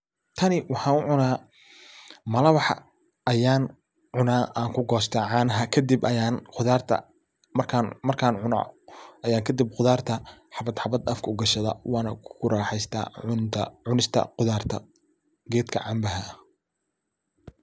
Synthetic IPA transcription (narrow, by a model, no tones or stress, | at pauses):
t̪ʰɐnɪwɑħɑːnʊʕʊnaː | mɐlɐwɑħ | ɐjaːn | ʕʊnaːʔaːŋkʰʊɡɔːst̪ʰɐʕɑːnɐɦɐkʰɐd̪ibɐjaːnqʊðaːrt̪ʰɐ̰ | mɐrkʰaːnmɐrkʰaːnʕʊnɐ̰ʔɐjaːŋkʰɐd̪ib̚qʊðaːrt̪ʰɐħɑβɐd̪ħɑbɐd̪ɐfkʰɐʊɡɐʃɐðɐ̰wɑːnɐkkʰʊɾaːħɛjst̪ʰa̰ːʊnt̪ʰɐʕʊnɪst̪ʰɐ̰qʊðaːrt̪ʰɐ̰ | ɡɛːd̪kʰɐ̰ʕɑmbɐɦɐ